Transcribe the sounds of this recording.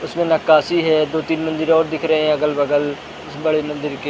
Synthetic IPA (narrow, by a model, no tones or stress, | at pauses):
ʊsmẽːnəkːaːsiːɦɛːd̪oːt̪iːnmə̃nd̪əɾɔːɾd̪ɪkʰɾəɦeɛ̃ːəɡəlbəɡəl | ʊsbəɽeːmə̃nd̪ɪɾkeː